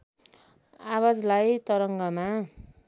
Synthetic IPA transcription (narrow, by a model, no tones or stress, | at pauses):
awad͡zlajt̪ʌɾʌŋɡʌma